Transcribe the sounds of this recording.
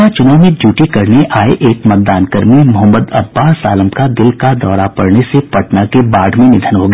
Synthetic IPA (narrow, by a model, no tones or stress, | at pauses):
at͡ʃʊnaːmẽd͡ʒjuːʈikɐɾneʔaːeʔeːkmət̪̚d̪aːnkəɾmemʊɦəmːəd̪ɐ̰bːaːsa̰ːləmkad̪ɪlkad̪ɔːɾapɐɽnesepɐʈnakebaːɖ̤ʱmẽnɪd̪ʱənɦoɡɐ